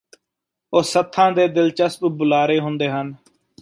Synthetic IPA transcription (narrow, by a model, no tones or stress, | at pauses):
oːsət̪ʰːãːd̪eːd̪ɪlt͡ʃəsbbʊlaːɾeːɦʊ̃nd̪eːɦən